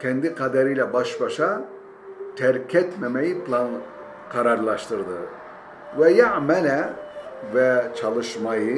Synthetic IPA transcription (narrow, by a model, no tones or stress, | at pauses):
kʲʰɛnd̪iqʰɑd̪æɾijlɛbɑʃbɑʃɑ | t̪ʰæɾkʰɛt̪mæmæjipʰlˠɑn | qʰɑɾɑɾlˠɑʃt̪ɯɾd̪ɯ | vɛjaʕmælæ | væt͡ʃʰɑlˠɯʃmɑjɯ